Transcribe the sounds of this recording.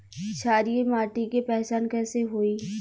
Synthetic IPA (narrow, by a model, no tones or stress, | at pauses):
ʃaːɾijemaːʈikepɛːɦt͡ʃaːnkɛːseɦoːiː